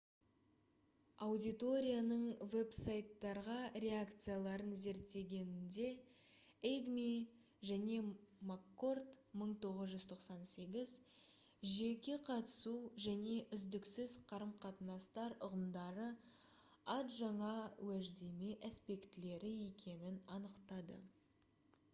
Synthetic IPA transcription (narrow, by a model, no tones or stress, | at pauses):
ɑwd̪ʲijt̪o̞ɾʲijanəɴve̞psajt̪ːɑɾʁɑɾʲe̞akt̪sɨjalˠɑɾənze̞ɾt̪ːe̞ɡʲe̞nɪnd̪e̞ | ejɡmi | ʒæne̞makːo̞rt̪məɴt̪ʰo̞ʁəzʒʏzt̪ʰo̞qsɑnse̞ɡʲɪz | ʒe̞kʲe̞qʰɑt̪ə̥suʒæne̞ʔʏzd̪ɪksɪzqʰɑɾəmqʰɑt̪ənɑst̪ɑɾʊʁəmd̪ɑɾə | ɑt̪ʒɑɴɑwæʒd̪e̞me̞ʔæspe̞kt̪ɪle̞ɾɪe̞kʲe̞nɪnɑnəqt̪ɑd̪ə̰